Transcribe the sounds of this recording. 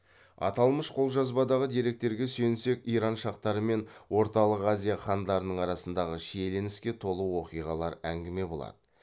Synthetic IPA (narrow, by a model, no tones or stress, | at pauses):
ɑ̰t̪ɑlˠməʃqʰo̞lˠʒɑzbɑd̪ɑʁəd̪e̞ɾe̞k̚t̪e̞ɾɡʲe̞sɵjɪnse̞kʲijɾɑnʃɑqt̪ɑɾəme̞nwo̞ɾt̪ɑlˠəqazʲijaχɑnd̪ɑɾənəɴɑɾɑsənd̪ɑʁəʃijele̞nɪskʲe̞t̪ʰo̞lˠəwo̞qijʁɑlˠɑɾæŋɡʲɪme̞bo̞lˠɑ̰d̪̥ə